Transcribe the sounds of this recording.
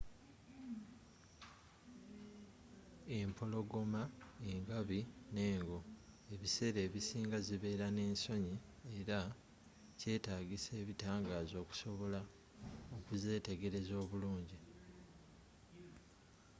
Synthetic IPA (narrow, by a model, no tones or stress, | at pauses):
e̞mpʰo̞lo̞ɡo̞maeŋɡaβine̞ːŋɡo̞e̞βise̞ɾe̞ːβisiːŋɡaziβe̞ːɾane̞ːnso̞ɲie̞ɾa | ce̞ːtaːɡise̞ːβitaːŋɡaːzo̞ːku̥so̞βo̞la | okuze̞ːte̞ɡe̞ɾe̞zo̞ːβuluːɲɟi